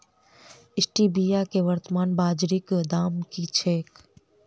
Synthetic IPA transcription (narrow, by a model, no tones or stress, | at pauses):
ɪsʈibiːjakeʋəɾt̪əmaːnbaːd͡ʒɾɪkd̪aːmkit͡ʃʰeːk